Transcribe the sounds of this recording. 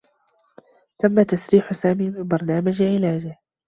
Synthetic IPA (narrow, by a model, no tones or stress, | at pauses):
t̪amːat̪asɾiːħsaːmiːmɪmbɑɾˤnaːmad͡ʒʕɪlaːd͡ʒɪh